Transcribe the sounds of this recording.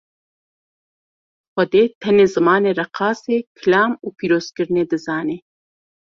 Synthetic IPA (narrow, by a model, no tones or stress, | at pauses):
xʷɐd̪eːt̪ʰɛneːzɨmɑːneːrɛqʰɑːseːkʰɨlɑːmuːpʰiːɾoːz̥kɨɾɨneːd̪ɨzɑːneː